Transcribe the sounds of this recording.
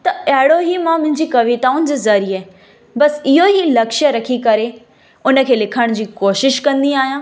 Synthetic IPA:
t̪ɐɐɦɪɽoɦimãmʊ̃ɦɪ̃ɲd͡ʑikɐʋit̪aːʊnɪd͡ʑɪzɐɾiaːɦ | bɐsɪɦoɦilɐkʃəɾɐkʰikɐɾe | ʊnə̆kʰeːlɪkʰəɽ̃d͡ʑiːkoːʃɪʃkɐ̃nd̪iaːɦijãː

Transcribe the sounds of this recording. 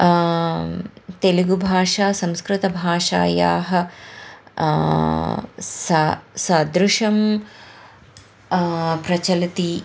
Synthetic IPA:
t̪eliɡubʱaːʂaːsɐmskɾɪt̪ɐbʱaːʂa̰ːja̰ːɦɐ̆ | sɐsɐd̪ɾuʂɐm | pɾɐt͡ʃɐlɐt̪i

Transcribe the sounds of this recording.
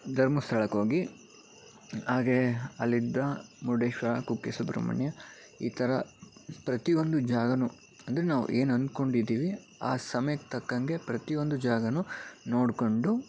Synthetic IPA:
d̪ʱɐɾmɐst̪ʰɐɭɐkɦoːɡi | ɦaːɡeɐlːid̪ːɐmuɖeːʂʋɐɾɐkukːesubɾɐ̰mɐ̰ɳjɐ | iːt̪ʰɐɾɐpɾɐt̪io̞nd̪ud͡ʒaːɡɐnu | ɐnd̪ɐɾenaːʋṵʔe̞ːnɐnd̪ko̞ɳɖid̪ːiːʋi | a̰ːsɐmɐjɐkt̪ɐkːɐŋɡe̞pɾɐt̪ijo̞nd̪ud͡ʒaːɡɐnuno̞ːɽko̞ɳɖu

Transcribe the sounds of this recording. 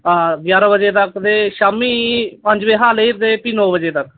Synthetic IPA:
aːɡjaːɾaːbəd͡ʒeːt̪əkd̪eːʃaːmiːpəɲd͡ʒbeːɦaːleiɾd̪eːpiːnɔːbəd͡ʒeːt̪ək

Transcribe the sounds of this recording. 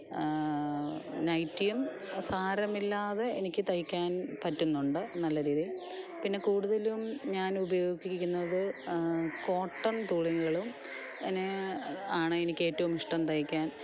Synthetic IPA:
nɐjtːijɐm | saːɾɐmilːaːðe̞enikʲːɨt̪ɐjikʲːaːnpɐtːunːuɳɖɨnɐlːɐɾiːði | pinːe̞kuːɽuðɐlumɲaːnubɐjo̞ːɡikʲːunːɐðɨ | ko̞ːʈːɐnt̪uːɭiŋuɣɐɭum | eneaːɳɨenikʲːe̞ːtːɐʋumiʂʈɐmt̪ɐjikʲːaːn

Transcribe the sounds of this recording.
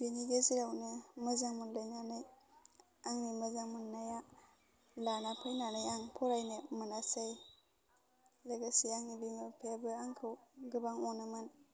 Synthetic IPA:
beniɡeziɾawnɯmɯzaŋmunlajnanɯj | aŋnimɯzaŋmunːaja | lanapʰɯjnanɯjaŋpʰɔɾajnɯmɯnasaj | laɡasiaŋnibiŋɯpʰebɯaŋkʰɯwɡɯbaŋɔnɯmɯn

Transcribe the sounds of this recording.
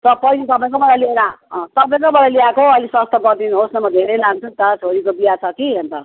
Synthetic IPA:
t̪ʌpʌilet̪ʌpãĩŋkomʌlajlieɾaʌ̃t̪ʌpaĩkomʌlajliakoɦoʌlisʌst̪ʌɡʌɾd̪inɦosnʌmʌd̪ʱeɾejlaŋt͡sʰut̪ʌɾt͡sʰoɾikobijat͡sʰʌkiɦent̪ʌ

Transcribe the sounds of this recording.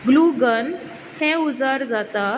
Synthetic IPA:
ɡluɡən | hɛ̃ud͡zaɾd͡zat̪a

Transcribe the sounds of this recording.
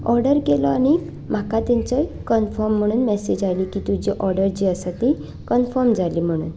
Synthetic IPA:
ɔɾɖəɾkelɔaɽ̃i | m̤akat̪ɛ̃ɲt͡səjkənfɔɾm̤ːəɽ̃uːnmɛsed͡ʑajlikit̪ud͡ʑiʔɔɾɖəɾd͡ʑiəsat̪i | kənfɔɾmd͡zalim̤əɽ̃ṵːn

